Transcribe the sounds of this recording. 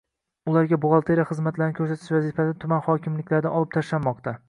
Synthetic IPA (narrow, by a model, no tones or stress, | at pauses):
ʊlˠaɾɡʲabʊʁɑlˠt̪ʰeɾaχɨzmat̪laɾnɪkʰɵɾsat̪ʰɪ̥ʃvazɪfasɪt̪ʰʊmanχɒkʲɪmlɪkʲlaɾd̪anɒlˠɪp̚t̪ʰaʃlanmɒqt̪ʰa